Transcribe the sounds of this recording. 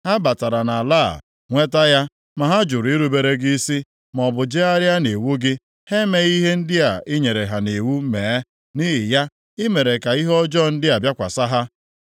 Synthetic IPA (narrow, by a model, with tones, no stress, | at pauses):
ha˦ba˨ta˨ɾa˨na˨la̰ː˦˨ | ŋʷe˦ta˦ja˦ | ma˨ɦa˦d͡ʒʊ˨ɾʊ˨i˦ɾu˦be˨ɾe˦ɡi˦si˦ | m˨ɔ˨bʊ˨d͡ʒɪ˦a˦ɾja˦ne˨wu˦ɡɪ˦ | he˦me˨ɣi˦ɦe˦n̩˦dɪ˦a˨ɪ˦ɲe˨ɾe˨ɦa˨ne˨wu˦meː˨˦ | ni˦ɦɪ˨ja˦ | ɪ˦me˨ɾe˨ka˨i˦ɦɔ˦d͡ʒɔ˦˨n̩˦dɪ˦a˨bja˦kʷa̰˨sa˦ɦa˦